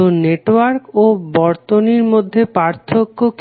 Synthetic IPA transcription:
oneʈwaɾkobɔɾt̪oniɾmod̪ʱːepaɾt̪ʰokːok

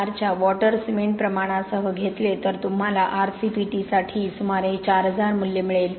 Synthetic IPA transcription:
aɾt͡ɕjaʋɔʈəɾsmeɳʈ̚pɾəmaɽ̃asəɦəɡʱet̪let̪əɾt̪um̤alaʔaɾsipiʈisaʈʰiːsumaɾet͡ɕaɾɦəd͡zaɾmulːemiɭel

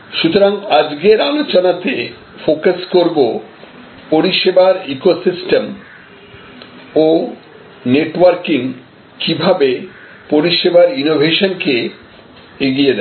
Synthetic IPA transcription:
ʃut̪oɾaŋad͡ʑɡeɾalot͡ɕonat̪e | fokaskoɾbo | poɾiʃebaɾikosisʈem | o | neʈwaɾkiŋ | kibʱabe | poɾiʃebaɾinobʱeʃonke | eɡijed̪ɛ

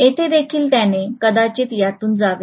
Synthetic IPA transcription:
et̪ʰed̪ekʰiːlt̪janekəd̪at͡ɕet̪jat̪uːnd͡zaʋe

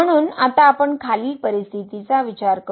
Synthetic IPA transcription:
əɽ̃uːnat̪aːpəɳkʰaliːpəɾist̪ʰit̪it͡saʋit͡ɕaɾkə

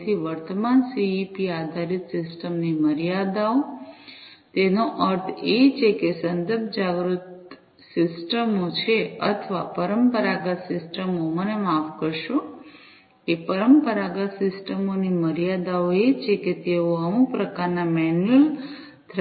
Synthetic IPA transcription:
t̪ʰiʋəɾt̪əmansiipiad̪ʱaɾit̪sɪsʈəmniməɾijad̪ao | t̪enoʔəɾt̪ʰet͡ʃʰekesənd̪əɾbʱd͡ʒaɡɾut̪ | sɪsʈəmot͡ʃʰeə̰t̪ʰʋapəɾəmpəɾaɡət̪sɪsʈəmomənemafkəɾʃo | kepəɾəmpəɾaɡət̪sɪsʈəmoniməɾjad̪aoet͡ʃʰeket̪eoəmũpɾəkaɾnamɛnəl | t̪ʰ

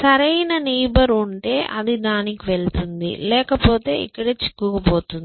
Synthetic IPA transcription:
sɐɾɐjnɐniːbɐɾuɳʈe̞ːʔɐd̪id̪aːnikiʋeɭt̪und̪ḭlɛːkɐpo̞ːt̪e̞ːḭkːɐɽeːt͡ʃi̥kːukɐpo̞ːt̪und̪i

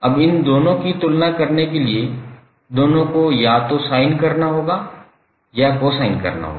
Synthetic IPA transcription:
ɐbɪnd̪oːnõkit̪ʊlnakɐɾnekelie | d̪oːnõkojat̪osaːɪnkɐɾnaɦoːɡaː | jakosaːɪnkɐ̰ɾna̰ɦo̰ɡa

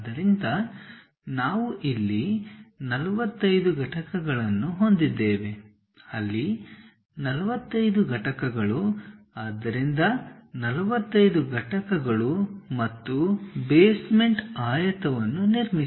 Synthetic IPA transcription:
d̪ɐɾind̪ɐ | naːʋuʔilːinɐlɐʋɐt̪ːɐjd̪uɡʱɐʈɐkɐɡɐɭɐnːuɦo̞nd̪id̪ːeːʋe̞ | ɐlːi | nɐlɐʋɐt̪ːɐjd̪uɡʱɐʈɐkɐɡɐɭu | aːd̪ːɐɾind̪ɐnɐlɐʋɐt̪ːɐjd̪uɡʱɐʈɐkɐɡɐɭumɐt̪ːubeːsme̞ɳʈaːjɐt̪ɐʋɐnːuniɾmi

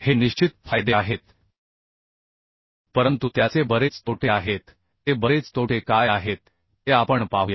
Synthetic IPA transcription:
heniɕt͡ɕit̪̚fajd̪eaɦet̪ | pəɾənt̪ut̪jat͡sebəɾet͡st̪oʈʰeaɦet̪ | ɦebəɾet͡st̪ʰoʈʰekajaɦet̪̚ | ɦeapəɳpaɦuja

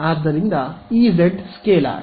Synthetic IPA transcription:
ad̪ːɐɾind̪ɐiːzeɖskeːla̰ː

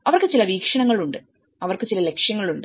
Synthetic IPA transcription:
ɐʋɐrkɨt͡ɕilɐʋiːkʂɐɳɐŋːɐɭuɳɖɨ | ɐʋɐrkɨt͡ɕilɐle̞kʂjɐŋːɐɭuɳɖɨ

